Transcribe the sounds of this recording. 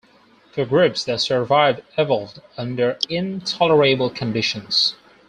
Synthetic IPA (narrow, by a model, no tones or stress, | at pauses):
fə˞ɡɹʉpsðəsə˞vaɪvdɛvl̩ˠdʌ̃ndə˞ɪ̃ntʰɑlˠə˞eɪbl̩ˠkʰɨ̃n̩dɪʃɨ̃nz̥